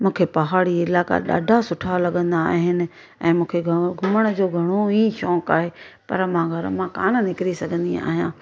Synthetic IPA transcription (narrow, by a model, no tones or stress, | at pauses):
mũːkʰepɐɦaːɽiɪlaːka̰ɗa̰ːɖʱasʊʈʰalɐɠə̃nd̪aːɦɪnɪ̆ | ɛ̃ːmũːkʰeɡɡʱʊməɽ̃əd͡ʑoːɡʱɐɽ̃oiːʃɔ̃ːkaːɦepɐ̰ɾmãɡʱɐɾəmãka̰ːnnɪkɪɾisɐɡʱə̃nd̪ia̰ːɦijãː